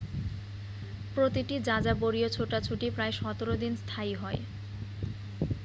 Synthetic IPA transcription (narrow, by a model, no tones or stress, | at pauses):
pɾot̪iʈid͡ʑad͡ʑaboɾiot͡ɕʰoʈat͡ɕʰuʈipɾaeʃɔt̪oɾod̪inst̪ʰajɦɔe